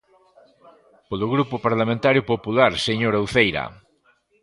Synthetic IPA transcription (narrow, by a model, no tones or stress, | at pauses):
polʊɣɾupʊpaɾlamẽnt̪aɾjʊpopulaɾseɲoɾowθejɾa̰